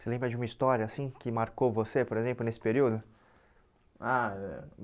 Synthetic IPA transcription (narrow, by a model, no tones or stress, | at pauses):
selẽmbɾɐd͡ʒɪũmɐist̪ɔɾjɐːsĩkɪmaɾkowvosepoɾezẽmplʊnesɪ̥peɾiwd̪ʊ | aɛ